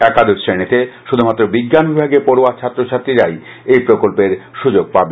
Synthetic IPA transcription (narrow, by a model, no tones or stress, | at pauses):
ɛkad̪ʱoksɾenit̪eʃud̪ʱumat̪ːɾobiɡːanbibʱaɡepɔɾoat͡ɕʰat̪ːɾot͡ɕʰaɾt̪ɾiɾaj | ejpɾokolpeɾʃud͡ʑoɡ̚pabe